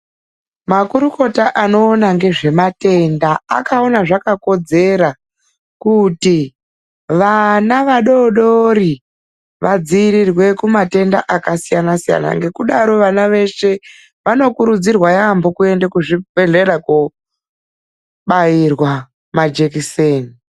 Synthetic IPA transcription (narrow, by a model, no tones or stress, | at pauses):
makuɾuko̞taʔano̞ːnaŋɡe̞ʐe̞mate̞nda̰ːkao̞naʐakako̞d͡ze̞ɾa | kuti | ʋanaʋaɗo̞ɗo̞ɾi | ʋad͡ziːɾirwe̞kumate̞ndaʔakasijanasija̰na̰ŋɡe̞kuɗaɾo̞ʋanaʋe̞ʃe̞ | ʋano̞kuɾud͡zirwajambokue̞ndekuʐibʱe̞ɮe̞ɾaku | ɓairwa | mad͡ʒekiseːni